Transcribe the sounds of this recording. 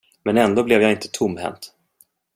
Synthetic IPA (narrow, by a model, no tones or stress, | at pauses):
mɛnɛnd̪oːblɛvjaɪnt̪ə̥t̪ʰʊmːhɛ̰nt̪